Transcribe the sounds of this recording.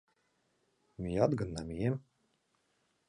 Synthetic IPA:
mʲijad̪ɡanːamʲiɛm

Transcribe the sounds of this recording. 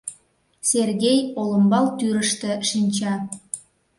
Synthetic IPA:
sʲerɣʲejolə̆mbɑlt̪yɾə̆ʃt̪ĕʃinʲt͡ɕɑ

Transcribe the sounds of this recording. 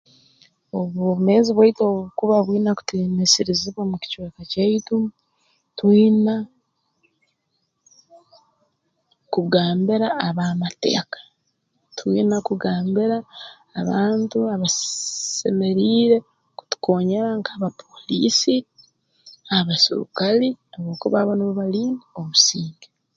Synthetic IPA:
o̞βoβume̞ːziβwaitoːβukuβaβwiːnaku̥tinisiɾiziβomuci̥cweːkaceitu | twiːna | kuɡaːmbiɾaːβaːmate̞̰ːkḁ | twḭːnakuɡaːmbiɾaː | βaːntuaβase̞me̞ɾiːɾe̞ | ku̥tu̥ko̞ːɲe̞ɾaŋkaːβapʰo̞lḭːsi | aβasṵɾṵkaliaβo̞ːkuβaːβoniβoβaliːnio̞βusiːŋɡe

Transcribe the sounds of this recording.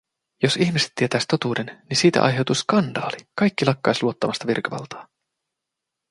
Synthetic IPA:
jo̞siçmiset̪ːiet̪æjst̪o̞t̪uːdennisiːt̪æ̰ʔɑ̰jɦe̞wt̪uskɑndɑ̰ːlikɑjkːilɑkːɑjsluo̞t̪ːɑmɑst̪ɑʋḭrkɑʋɑ̰lt̪ɑ̥ː

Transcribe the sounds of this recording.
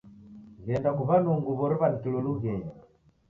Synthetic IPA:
ɣɛndakuβanuŋɡuβɔɾiβanitilɔluɣɛja

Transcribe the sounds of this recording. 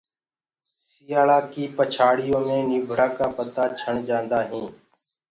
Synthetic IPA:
sɪjaːɭaːkiːpət͡ʃʰaːɽɪjõːmẽːniːbʱɽaːkaːpət̪aːt͡ʃʰəɳd͡ʒãːnd̪aːɦĩː

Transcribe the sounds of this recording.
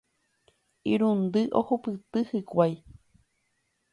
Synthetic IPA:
ḭɾund̪ɨʔo̰hupɨt̪ɨhɨkʷai

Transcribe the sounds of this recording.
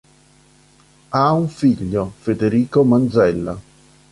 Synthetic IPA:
auɱfiʎːofed̪eɾiːkomand̪zɛlːa̰

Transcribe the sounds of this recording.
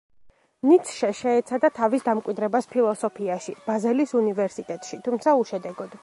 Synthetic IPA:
nit̪sʰʃɛʃɛɛt̪sʰad̪at̪ʰavisd̪amkʼwid̪ɾɛbaspʰilˠɔsɔpʰiaʃib̥azɛlisunivɛɾsit̪ʼɛt̪ʼʃit̪ʰumt̪sʰauʃɛd̪ɛɡɔd̪̥

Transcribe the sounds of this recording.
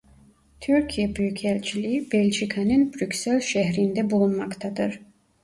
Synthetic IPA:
t̪ʰyɾcʰijɛbyjycʰɛlʲt͡ʃʰilʲiibɛlʲd͡ʒikʰanɯnbɾykʲsɛlʲʃɛɦɾind̪ɛbulˠunmakt̪ʰad̪ɯɾ̥

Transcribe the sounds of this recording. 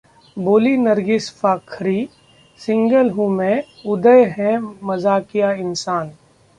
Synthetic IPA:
boːlinɐɾɡɪsfaːkʰɾiː | sɪ̃ŋɡəlɦumẽʊd̪əjɦɛ̃mɐzaːkijaɪnsaːn

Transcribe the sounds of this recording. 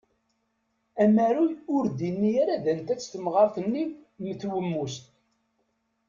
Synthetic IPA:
æmæɾujʊɾd̪inːijaɾaðænt̪æt͡sːt̪mʁəɾθənːiməθwəmːust̪

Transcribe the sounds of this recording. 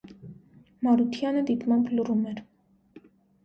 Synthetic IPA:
mɑɾut̪ʰjɑnəd̪ipmɑmblərumɛɾ

